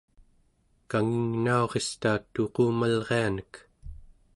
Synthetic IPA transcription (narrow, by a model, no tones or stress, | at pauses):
kaŋiŋnao̞ʁe̞st̪aːt̪oquːmalʁe̞anək